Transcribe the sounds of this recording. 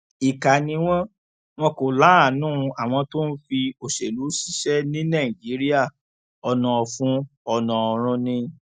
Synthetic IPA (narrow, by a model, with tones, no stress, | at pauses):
i˨ka˨nĩ˧w̃ɔ̃˦ | w̃ɔ̃˧ko˨la˨˦a˦˨nũ˦˧a˨w̃ɔ̃˧to˦n̩˦fi˧o˨ʃe˨lu˨˦si̥˦ʃɛ˦nĩ˦nã˦˨i˨d͡ʒi˨˦ɾi˦a˦˨ | ɔ˧nã˧˨ɔ˧fũ˦ɔ˧nã˨ɔ˧ɾ̃ũ˧nĩ˧